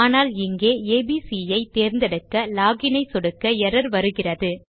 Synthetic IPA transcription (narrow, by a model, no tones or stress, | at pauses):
aːnaːlɪŋɡeːeːbiːsijɐɪt̪eːɾnd̪ɐɽɯkːɐlaːɣɪnɐɪsɔɽɯkːɐɛɾɐɾʋɐɾɯɣɪrɐðɯ